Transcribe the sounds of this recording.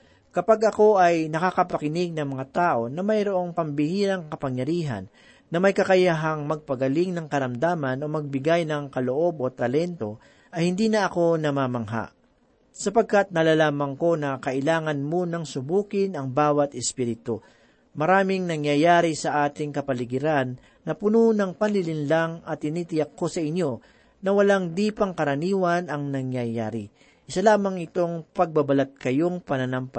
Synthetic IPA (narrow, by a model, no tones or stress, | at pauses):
kɐpaɡʔɐko̞ʔɐjnɐkakɐpɐkɪnɪɡ̚nɐŋmɐŋat̪aːʔo̞nɐmɐjɾoʔo̞ŋpɐmbɪhiːɾɐŋkɐpɐŋjɐɾiːɦɐ̰nː | ɐmɐjkɐkɐjaɦɐŋmɐɡ̚pɐɡɐlɪŋnɐŋkɐɾɐmd̪aːmɐno̞mɐɡ̚bɪɡajnɐŋkɐloʔo̞bo̞t̪ɐlɛnt̪o | ʔɐjhɪnd̪iːnɐʔɐko̞nɐmamɐŋɦa̰ʔ | sɐpɐɡ̚kat̪̚nɐlalaːmɐŋko̞nɐkɐʔɪlaːŋɐnmonɐŋsʊbuːkɪnɐŋbaːwɐt̪ɛspiːɾɪt̪o | mɐɾaːmɪŋnɐŋjɐjaːɾɪsɐʔaːt̪ɪŋkɐpɐlɪɡɪɾanː | ɐpʊnonɐŋpɐnlɪlɪnlaŋɐt̪̚ːɪniːt̪ɪjɐkʰːo̞sɐɪɲːo̞ | nɐwɐlaŋd̪iːpɐŋkɐɾɐniːwɐnɐŋnɐŋjɐjaːɾɪ | ʔɪsɐlaːmɐŋɪt̪o̞ŋpɐɡ̚bɐbɐlat̪̚kɐjo̞ŋpɐnɐnampa